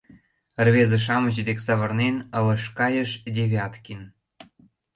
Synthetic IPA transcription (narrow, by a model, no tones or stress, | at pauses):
ərβezĕʃ̬ɑməʑd̪eksɑβɤrnenəlɤ̆ʃkɑjəʃdʲeβʲɑt̪kʲin